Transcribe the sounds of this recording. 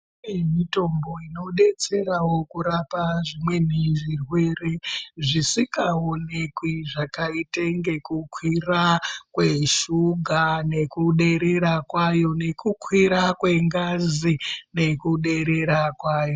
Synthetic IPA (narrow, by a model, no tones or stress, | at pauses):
emito̞mbo̞ino̞ɗe̞t͡se̞ɾawo̞kuɾapaʐimwe̞n̤iʐirwe̞re̞ʐisikaonekwiʐakaite̞ŋɡe̞kukʰwirakweʃuɡʱane̞kuɗe̞ɾeɾakwajo̞ne̞kukwiɾakwe̞ŋɡazine̞kuɗe̞ɾe̞ɾakwaːjo̞